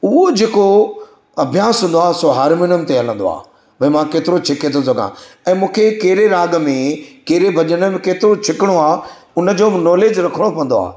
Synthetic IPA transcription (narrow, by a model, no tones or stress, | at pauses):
ʊɦod͡ʑeːko | ɐbʱjãːsɦʊ̃ːnd̪oaːsoɦɐɾmɪnəmt̪eɐlə̃nd̪o̰a̰ː | ʋɐ̃mãkeːt̪ɪɾot͡ɕʰɪket̪ʰosɐɡã̰ | ɛ̃ːmũːkʰekɐɦɪɾeɾaːɡmẽkeɦɾebʱɐʄəɽ̃əmẽkeːt̪ɪɾot͡ɕʰɪkɪɽ̃oaː | ʊnə̆d͡ʑoːnɔːleːd͡ʑɾɐkʰəɽ̃opɐ̃n̆d̪oa̰ː